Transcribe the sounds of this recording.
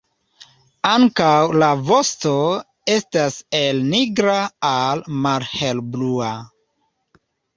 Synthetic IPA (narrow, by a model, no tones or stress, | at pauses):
aŋkawlavo̞sto̞ | e̞stase̞lniɡɾaːlmalhelblua